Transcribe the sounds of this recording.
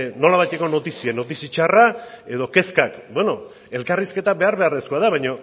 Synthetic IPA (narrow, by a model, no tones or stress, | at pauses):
no̞laβajt̪e̞ko̞no̞t̪isieno̞t̪isit͡ʃarae̞ðo̞ke̞skakbwe̞no̞ | e̞lkariske̞t̪abe̞aɾβe̞areskuaðaβajɲo̞